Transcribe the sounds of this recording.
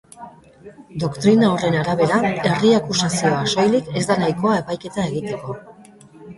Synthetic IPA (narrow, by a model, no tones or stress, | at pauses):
d̪o̞kt̪ɾinaore̞naɾaβe̞ɾae̞riakusasio̞aso̞jlike̞zd̪anajko̞ae̞pajke̞t̪ae̞ɣit̪e̞ko̞